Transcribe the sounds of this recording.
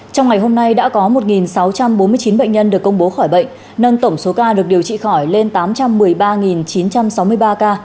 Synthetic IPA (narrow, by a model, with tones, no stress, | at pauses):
t͡ɕa˧wŋa˨˩jɦo˧mna˧jɗa̰ː˧˥kɔ˨˦mo˨˩t̚ŋi˨˩nsa˨˦wt͡ɕa˧mɓo˨˦mɨ˧ət͡ɕi˨˦nɓə̰˧˨ŋ̟ɲə˧nɗɨ˨˩kːə˧wŋ͡mɓo˨˦xɔ˧˩jɓə̰˧˨ŋ̟ | nə˧nt̪ə˧˩wŋ͡mso˨˦kaː˧ɗɨ˨˩ək̚ɗi˨˩əwt͡ɕḭ˧˨xɔ˧˩jle˧nt̪aː˨˦mt͡ɕa˧mːɨ˨˩əjɓaː˧ŋi˨˩nt͡ɕi˨˦nt͡ɕa˧msa˨˦wmɨ˧əjɓaː˧kaː˧